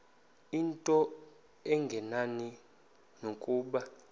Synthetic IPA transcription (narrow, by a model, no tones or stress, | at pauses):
intʼɔ | ɛŋɡʱɛnani | nokʼuːɓa